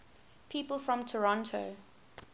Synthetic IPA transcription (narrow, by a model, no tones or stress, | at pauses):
pʰiːˑpəlˠfɹɔ̃mtʰəɹɔ̃ntʰoʊ